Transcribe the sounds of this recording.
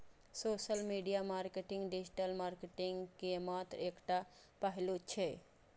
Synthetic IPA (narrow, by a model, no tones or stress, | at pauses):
soːʃəlmiːɖijamaːɾkeʈɪ̃ŋɡɖid͡ʒʈəlmaːɾkeʈɪŋɡkemaːt̪ɾeːkʈa | pəɦlot͡ʃʰe